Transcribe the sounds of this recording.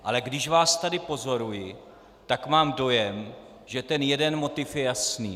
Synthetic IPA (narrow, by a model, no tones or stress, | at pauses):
ʔalɛɡdɪʃvaːst̪adɪpo̞zo̞ɾujɪ | t̪akmaːmdo̞jɛm | ʒɛt̪ɛnjɛdɛnmo̞t̪ɪfjɛjasnḭː